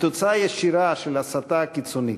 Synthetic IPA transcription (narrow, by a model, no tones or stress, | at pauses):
t̪ot͡sajaʃiɾaʃelasat̪akit͡suni